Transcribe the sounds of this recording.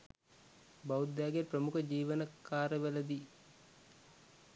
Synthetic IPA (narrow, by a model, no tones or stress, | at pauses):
bawud̪ːaːɡeprəmukəd͡ʒiːʋənəkaːɾəʋeləd̪i